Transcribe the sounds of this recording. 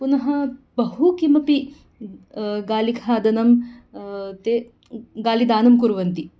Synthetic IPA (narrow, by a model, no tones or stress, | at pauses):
punɐɦɐbɐɦukimɐpi | ɡaːliɡʱaːd̪ɐnɐm | t̪e | ɡaːlid̪aːnɐmkuɾʋɐnt̪i